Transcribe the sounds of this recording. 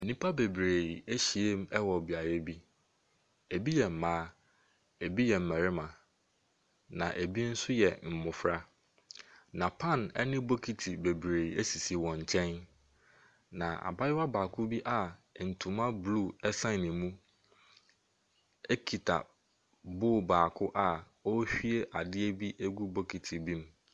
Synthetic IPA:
e˨nĩ˦pʰa˦be˨bɾe˨i˨æ˦ɕi˨e˦m˦ɛ˦wɔ˨bi˨a˨ɾe˦bi˦ | e˨bi˦jɛ˨m̩˨mãː˦ | e˨bi˦jɛ˨m̩˨mæ̃˨ɾɪ˦mã˨ | nã̰˨ʔe˨bi˦n̩˦sʊ˦jɛ˨m̩˨mʊ̃˨fɾa˦ | nã˨pʰã˦˨nɛ̰˦nɪ̃˦bo˦kʰi˨tʰi˨be˨bɾe˨i˨e˦si˨si˨wɔ̃˨ɲ̩˨t͡ɕʰɛ̃˦n | nã˨a̰˨ba˦jɪ˦wa˦baː˨kʰʊ˦bi˦ʔa˨n̩˨tʰũ˨mã˦blu˦˨ɛ˦sã˦˨nɪ̃˨mũ˦ | e˦kʰi˨tʰa̰˨ | bʊː˦˨baː˨kʰʊ˦ʔa˨ | ɔ˦ɕᶣi˦e˦ʔa˨dɪ˦e˦bi˦ʔe˦ɡu˦bo˦kʰi˨tʰi˨bĩ˦m˦

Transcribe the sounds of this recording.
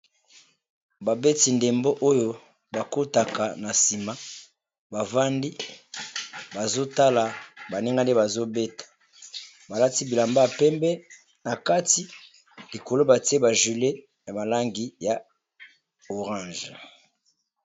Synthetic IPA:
ba˨be˦ti˨nde˨mbo˦ʔo˦jo˦ | ba˨ko˦ta˨ka˨na˨si˨ma˦ | ba˨va˦ndi˦ | ba˨zo˦ta˦la˨ba˨ne˦ŋɡa˦nde˦ba˨zo˦be˦tḁ˨ | ba˨la˦ti˦bi˨la˨mba˦˨pɛ˦mbɛ˦ | na˨ka˦ti˦ | li˨ko˨lo˦ba˨ti˦e˦ba˨ʒi˨le˦ | na˨ma˨la˦ŋɡi˨ja˨ | o˨ʁã˦˨ʒ

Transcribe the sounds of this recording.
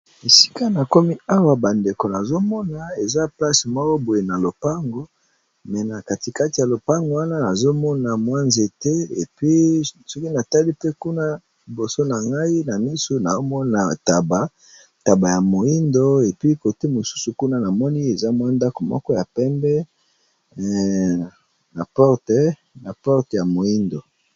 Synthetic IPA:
e˨si̥˦ka˦na˨ko˦mi˦a˦wa˨ba˨nde˨ko˨na˨zo˦mɔ˦na˨e˨za˦pla˦se˨mɔ˦wo˦bo˨je˨na˨lo˨pa˦ŋɡo˨ | mɛ˨na˨ka˨ti˨ka˦ti˨ja˨lo˨pa˦ŋɡo˨wa˦na˦na˨zo˦mɔ˦na˨mwa˦nze˨te˦ḛ˨pɥi˦sɔ˦ki˦na˨ta˦li˦pe˦ku˦na˦ | li˨bo˨so˦na˨ŋɡa˦i˦na˨mi˦su˦na˨zo˦mɔ˦na˨ta˨ba˨ | ta˨ba˨ja˨mo˨i˦ndo˦e˨pi˦ko˨te˦mo˨su̥˦su˨ku˦na˦na˨mɔ˦ni˦e˨za˦mwa˦nda˦ko˨mɔ̰˦kɔ˦ja˨pɛ˦mbɛ˦˨ | na˨pɔ˦ʁtɛ˨˦ | na˨pɔ˦ʁtja˨mo˨i˦ndo˨

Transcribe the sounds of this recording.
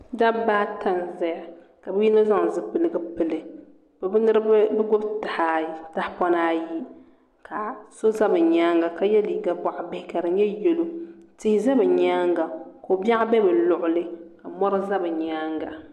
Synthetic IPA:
da˦ba˦ta˦nzɛ˦ja˨ | ka˨bɨ˦ji˦no˦za˦ŋ˨zɨ˦pɨ˨lɨ˦ɡɨ˦pɨ˨lɨ˨ | bbnɨ˦ɾɨ˦bɛ˦ɡʊ˦bta˨ha˨˦ta˦hpɔ˦naː˦ji˦ | ka˨so˦za˦bɨ˨ɲaː˦ŋɡa˨ka˦jɛ˦li˨ɡa˦ba˨ʔa˨bɪ˦hɪ˨˦ka˨dɨ˨˦ɲɛ˦jɛ˨lo˦tɪ˦hɪ˦za˦bɨ˨ɲaː˦ŋɡa˨ko˨ba˦ʔa˦bɛ˦bɨ˨lʊ˨ʔʊ˦lɨ˦ka˨mɔ˦ɾa˦za˦bɨ˨ɲaː˦ŋɡa˨

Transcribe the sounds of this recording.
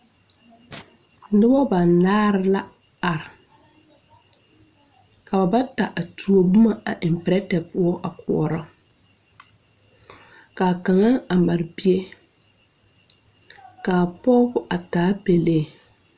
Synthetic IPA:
nɨ˦bɔ˦ba˨nnaː˦ɾɪ˦la˦ | a˨ɾɪ˨ | ka˨ba˨ba˦ta˨ʔa˨tʰu˨o˨bʊ˦ma˨a̰˨ʔɪ˨m˨pɛ˨ɾɛ˦tɛ˨pʊ˦ɔ˦ʔa˨kʊ˨ɔ̰˨ɾɔ˦ | ka˨ka˨ŋa˦a˨ma˨ɾbi˦e˦ | kaː˨pɔ˦bʊ˦ʔa˨taː˨˦pe˨le˦˨

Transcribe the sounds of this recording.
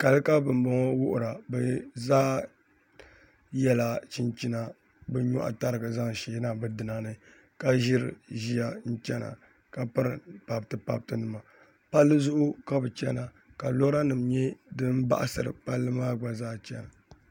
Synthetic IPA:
ka˨lɨ˦ka˦bɨ˨m˨bɔ˦ŋɔ˦wʊ˦ʔʊ̰˨ɾa˨bɛ˨zaː˦ | jɛ˦la˨t͡ʃi˦nt͡ʃi˦na˨ | bɛ˦ɲo̰˦ʔa̰˨ta˦ɾɨ˨ɡɨ˨za˦ŋ˨ʃeː˨˦na˦bɨ˦dɨ˨na˨nɨ˦ | ka˦ʒɪ˦ɾɨ̰˨ʒi˦ja˨n̩˦t͡ʃɛ˦na̰˨ | ka˨pɨ˦ɾɨ˨pa˨btɨ˨pa̰˦˨b̚tɨ˦nɨ˨ma˨ | pa˦lːɨ˦zʊ˦ʔʊ˦ka˦bɨ˨t͡ʃɛ˦na˨ | ka˨lo˦ɾa˦nɨ˨mɲɛ˦dɨ˦m˦ba̰˦ʔa̰˨sɨ̰˨ɾɨ̰˨pa˦lːɨ˦maː˦ɡ͡ba˨zaː˦t͡ʃɛ̰˦na˨

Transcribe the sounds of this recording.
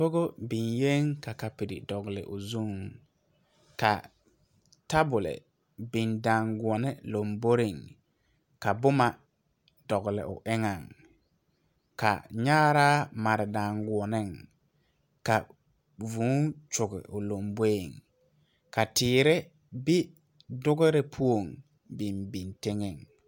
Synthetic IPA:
bo˦ɡo˦bi˨nje˦ŋka˨ka˨pi˨dɪ̰˨dɔ˨ɡlɪ̰˨ʔʊ˨zu˦ŋ | ka̰˨ | ta˦bʊ˨lɪ̰˨ | bɪ˨nda˨ŋɡu˨ɔ˨nɪ˦lo˨mbo˦ɾɪ˨ŋ | ka˨bʊ˦ma˨ | dɔ˨ɡlɪ̰˨ʔʊ̰˨ʔɪ˦ŋa˨ŋ | ka̰˨ɲa˦ɾaː˦ma˨ɾɪ˨da˨ŋɡu˨ɔ˨nɪ˦ŋ | ka˨ | vu˨˦t͡ʃʊ˨ɡɪ̰˨ʔʊ˨lo˨mbe˦e˨ŋ | ka˨tɪː˨ɾɪ˦ | bɪ˦ | dʊ˦ɡɪ˦ɾɪ˦pʰu˦o˨ŋ | bɪ˨mbi˨ntɪ˦ŋɪ˨ŋ

